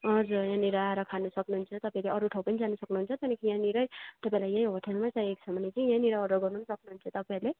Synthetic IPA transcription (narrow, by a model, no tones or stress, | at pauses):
ʌd͡zuɾjãniɾaɾʌkʰanusʌknuɦunt͡sʰʌt̪ʌpãĩleʌɾuʈʰʌwpʌnid͡zanusʌknuɦunt͡sʰʌt̪enekʰijãniɾʌjt̪ʌpãĩlajjãj̃ɦoʈʰelmasãeksʰʌbʌnet͡sʌĩjãniɾaʌɾʌɡʌrnunsʌknuɦunt͡sʰʌt̪ʌpaĩle